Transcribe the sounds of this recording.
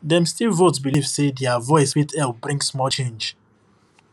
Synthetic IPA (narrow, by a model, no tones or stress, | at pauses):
dɛ̃mstilˠvotsbilivsedɛavɔɪsfitʰɛlbɹĩŋsmɔt͡ʃẽnd͡ʒ